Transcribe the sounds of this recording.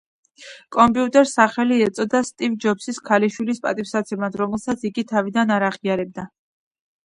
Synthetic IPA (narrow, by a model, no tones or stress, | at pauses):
kʼɔmpʼiut̪ʼɛɾsaχɛliɛt̪sʼɔd̪ast̪ʼivd͡ʒɔpsiskʰaliʃwilispʼa̰t̪ʼipsat̪sʰɛmad̪ɾɔmɛlˠsat̪sʰiɡit̪ʰavid̪anaɾaʁiaɾɛb̚d̪a